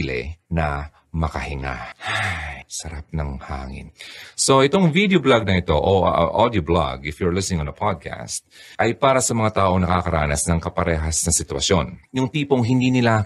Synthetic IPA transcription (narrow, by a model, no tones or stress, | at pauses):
lɛ̰nɐ | mɐkɐhɪŋa̰hasɐɾap̚nɐŋha̰ːŋɪ̰nso̞ʔɪt̪o̞ŋvid̪joblaɡ̚nɐʔɪt̪o̞ʔoʔʔad̪jobla̰ɡɪfjʊɹlɪsnɪŋonɐpʰad̪̚kʰa̰st̪̚ʔɐjpaːɾɐsɐmɐŋat̪aːʔo̞ŋnɐkakɐɾa̰ːnɐsnɐŋkɐpɐɾɛːɦɐsnɐsɪt̪wɐ̰ʃjo̞njʊŋt̪iːpoŋɦɪnd̪iːnɪla